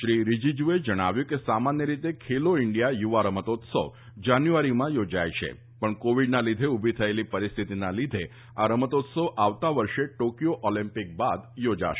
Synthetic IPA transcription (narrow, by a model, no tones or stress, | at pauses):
ʃɾiɾid͡ʒid͡ʒued͡ʒəɽ̃a̰ʋjũkesamanjəɾit̪ekʰeloɪɳɖijajuʋaɾəmət̪ot̪so̰ | d͡ʒanjuʋaɾimãjod͡ʒajt͡ʃʰḛ | pəɳkoʋiɖnalid̪ʱeubʱit̪ʰəelipəɾist̪ʰit̪inalid̪ʱe | aɾəmət̪ot̪soʔaʋt̪aʋəɾʃeʈokijoʔɔlĩmpik̚bad̪jod͡ʒa̰ʃe